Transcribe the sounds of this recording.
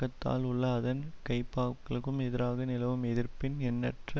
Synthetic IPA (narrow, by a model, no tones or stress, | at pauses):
ɐt̪ːa̰ːlʊɭːɐːðɐnkɐɪpːaːʋkːɐɭɯkːɯmɛðɪɾaːɣɐnɪlɐʋɯmɛðɪrpɪnɛnːɐʈrɐ